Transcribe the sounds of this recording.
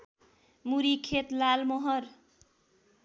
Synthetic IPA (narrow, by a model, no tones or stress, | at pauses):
muɾikʰet̪lalmʌɦʌr